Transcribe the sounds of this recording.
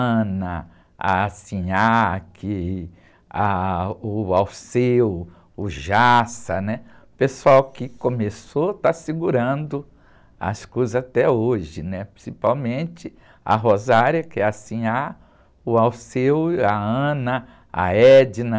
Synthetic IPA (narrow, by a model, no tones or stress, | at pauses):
nɐ | a̰sĩakʰɪ | aʊawsew | ʊʒasɐnɛ | pesuawkɪkõmesot̪asiɡuɾɐ̃d̪ʊ | ɐ̰skozat̪ɛoʒɪnɛpɾĩsipawmẽt͡ʃɪ | a̰ɦozaɾiɐkɪɛasĩa | ʊawsewaɐ̃nɐ | a̰ɛd͡ʒɪnɐ